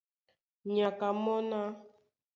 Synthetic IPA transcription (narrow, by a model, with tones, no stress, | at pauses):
ɲa˨ka˨mɔ˦na˦